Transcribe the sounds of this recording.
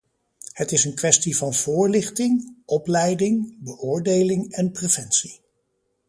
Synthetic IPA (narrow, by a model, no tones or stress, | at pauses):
hətɪsənkʋɛstivɑnv̥ʊːɹlɪχtɪŋɔplɛjdɪŋbəʔʊːɹdejlɪŋɛnprev̥ɛnsi